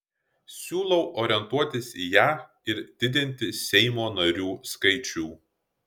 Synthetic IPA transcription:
sʲuːlˠɔʊʔoːɾʲɪɛnt̪uɔt̪ʲɪsijæː | ɪɾd̪ʲɪd̪ʲɪnʲt̪ʲɪsʲɛɪmoːnɐɾʲuːskɐɪt͡ʃʲuː

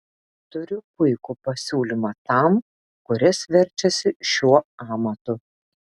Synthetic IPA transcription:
t̪ʊɾʲʊpʊɪkupɐsʲuːlʲimɑːt̪ɐˑm | kʊɾʲɛsʋʲɛɾʲt͡ʃʲɛsʲɪʃʲuɔɑːmɐt̪ʊ

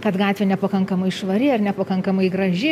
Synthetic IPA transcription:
kɐt̪ɡɑːt̪ʲʋʲenʲɛpɐkɐŋkɐmɐɪʃʋɐɾʲɪɐrnʲɛpɐkɐŋkɐmɐɪɡɾɐʒʲɪ

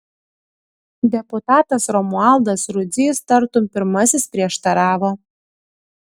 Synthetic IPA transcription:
d̪ʲɛput̪ɑːt̪ɐsɾɔmuɑlˠd̪ɐsɾʊdzʲɪst̪ɐɾt̪umpʲɪɾmɐsʲɪspʲɾʲiɛʃt̪ɐɾɑːʋo

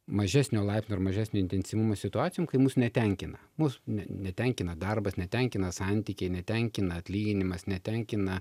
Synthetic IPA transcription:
mɐʒʲæːsʲnʲoːlˠɐɪpsʲnʲoɪɾmɐʒʲæːsʲnʲoːɪnʲt̪ʲɛnʲsʲiʋumoːsʲɪt̪ʊɑːt͡s̪ʲɪjoːmkɐɪmuːsnʲɛt̪ʲɛŋʲkʲɪnɐmusnʲɛnʲɛt̪ʲɛŋʲkʲɪnɐd̪ɐrbɐsnʲɛt̪ʲɛŋʲkʲɪnɐsɑnʲt̪ʲiːkʲɛɪnʲɛt̪ʲɛŋʲkʲɪnɐɐt̪ʲlʲiːɡʲɪnʲɪmɐsnʲɛt̪ʲɛŋʲkʲɪnɐ

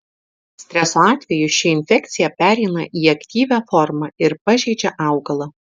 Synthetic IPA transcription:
sʲt̪ʲɾʲɛsoɑːt̪ʲʋʲɛjʊʃʲɪɪnʲfʲɛkt̪sʲɪjɛpʲæːɾʲɛɪnɐ̰ʔiːɐkt̪ʲiːʋʲæːfɔɾmɐɪɾpɐʒʲɛɪd͡ʒʲɛʔɑˑʊɡɐlˠɐː

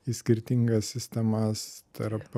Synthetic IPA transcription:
isʲkʲɪɾʲt̪ʲɪŋɡɐsʲsʲɪsʲt̪ʲɛmɐst̪ʰɐɾp

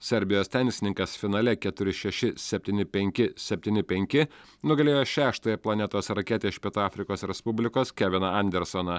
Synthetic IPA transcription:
sʲɛɾʲbʲɪjoːst̪ʲɛˑŋʲkʲsʲɪnʲɪŋkɐsfʲɪnɐːlʲɛkʲɛt̪ʊɾʲɪʃʲɛʃʲɪsʲɛpʲt̪ʲiːnʲɪpʲɛŋʲkʲɪsʲɛpʲt̪ʲiːnʲɪpʲɛŋʲkʲɪ | nʊɡɐlʲeːjoːʃʲæːʃt̪oːjɛplˠɐnʲɛt̪oːsɾɐkʲeːt̪ʲɛɪʃʲpʲiɛt̪oɑːfʲɾʲɪkoːsɾʲɛspʊbʲlʲɪkoːskʲɛʋʲɪnɐɐnʲd̪ʲɛɾsonɐ

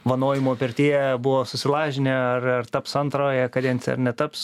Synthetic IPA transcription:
ʋɐnoːjɪmoːpʲɛɾʲt̪ʲiːjɛbʊʋoːsʊsʲɪlˠɑːʒʲɪnʲɛɐrɐrt̪ɐpsɐnt̪ɾoːjɛkɐd̪ʲɛnʲsʲɐ̰rnʲɛt̪ɐps

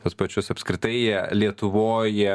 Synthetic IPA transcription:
t̪ɐspɐt͡ʃʲʊsɐpskɾʲɪt̪ɐɪjiɛlʲiɛt̪ʊʋoːjɛ

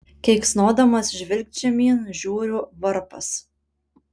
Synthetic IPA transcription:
kʲɛɪksnoːd̪ɐmɐsʒʲʋʲɪlʲk̚t͡ʃʲɛmʲiːnʒʲuːɾʲʊʋɐɾpɐs

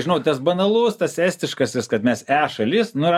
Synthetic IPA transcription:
ʒʲɪnɐʊt̪ɐsbɐnɐlˠust̪ɐsæːsʲt̪ʲɪʃkɐsɪskɐt̪mʲɛsæːʃɐlʲɪsnʊɪɾ

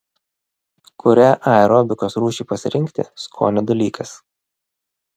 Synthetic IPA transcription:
kʊɾʲæːʔɐɛɾɔːbʲɪkoːsɾuːʃʲɪːpɐsʲɪ̰ɾʲɪŋʲkt̪ʲḛskʰo̰ːnʲɛd̪ɐlʲiːkʰɐs

